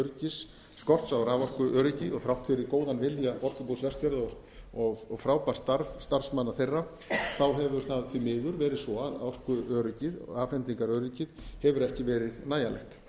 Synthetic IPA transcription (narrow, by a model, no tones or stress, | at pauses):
œɾcɪsː | kɔr̥t̪sawɾaːvɔr̥kʏʔœːɾʏcɪðɔɣfɾawht̪fɪɾɪkoːwðanvɪljaɔr̥kʏpuwsvɛst̪fjɛɾðɔɣ | ɔɣɔɣfɾaːwpar̥st̪aɾvst̪aɾ̥smanːaθejrːa | θawɦɛvʏɾ̥θaðθvimɪːðʏɾvɛːɾɪðsɔaðaɔr̥kʏœːɾʏcɪðɔ̰aːfɛnt̪iŋkaɾœːɾɪcɪðhɛvʏɾɛhcɪvɛːɾɪðnaːjalɛ̰xt̪